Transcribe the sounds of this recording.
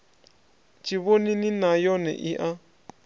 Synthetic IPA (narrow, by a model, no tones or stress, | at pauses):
t͡ʃiβonĩnĩnãjonḛ̃ʔiʔa